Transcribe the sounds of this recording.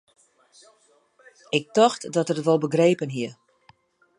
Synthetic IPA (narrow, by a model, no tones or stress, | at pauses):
ɪk̚tɔxtdɔtərtʋɔlˠbəɡreːpənɦiə